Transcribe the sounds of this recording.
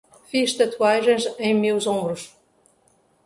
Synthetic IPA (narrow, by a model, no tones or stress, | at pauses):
fiʃt̪ɐt̪waʒẽj̃zẽj̃mewzõmbɾuʃ